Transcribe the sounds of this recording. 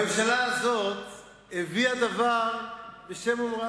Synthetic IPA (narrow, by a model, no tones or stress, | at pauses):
emʃalaazo̞t̪ | heviad̪avaʁbeʃe̞momʁa